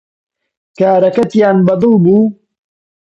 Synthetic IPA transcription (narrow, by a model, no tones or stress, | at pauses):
kaːɾɐkɐt̪jaːnbɐd̪ɨlˠbuː